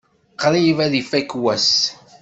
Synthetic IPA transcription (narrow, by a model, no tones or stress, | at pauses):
qɾijvæðifækwæs